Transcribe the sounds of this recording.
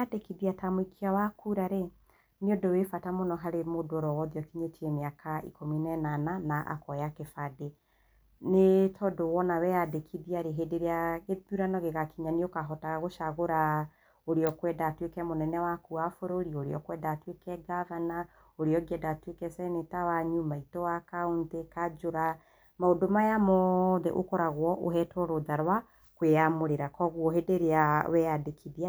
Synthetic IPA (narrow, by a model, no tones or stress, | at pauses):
adekiðiatamoikʰiawakuɾaɾe | niodowefatamonɔɦaɾemodooɾɔwɔðiɔkiɲetʰiɛmeakʰaḭkominɛnananaʔa̰kɔjakefade | netʰɔdowɔnawɛadekʰiðiaɾeɦedeɾeaɣeðuɾanɔɣeɣakiɲaniokaɦɔtaɣaɣoʃaɣoɾa | oɾeɔkwɛdatwekɛmonɛnɛwakuafoɾoɾiɔoɾḛɔ̰kwɛdatwekɛɡavana | oɾeɔɡɛdatwekɛsɛnetawaɲumaitɔwakauntekad͡ʒoɾa | maodomajamɔðɛ̰ʔokɔɾaɣwɔʔoɦɛtwɔɾoðaɾwa | kweamoɾeɾakɔɣwɔɦedeɾeawɛadekʰiðia